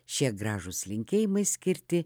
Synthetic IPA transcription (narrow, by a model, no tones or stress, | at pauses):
ʃʲiɛɡɾɑːʒʊslʲɪŋʲkʲeːjɪmɐɪsʲkʲɪɾʲt̪ʲɪ